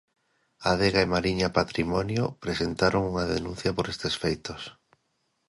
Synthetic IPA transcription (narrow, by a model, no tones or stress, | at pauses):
aðeɣaemaɾiɲapat̪ɾimɔnjopɾesent̪aɾoŋuŋaðenũn̟θjapoɾest̪esfejt̪os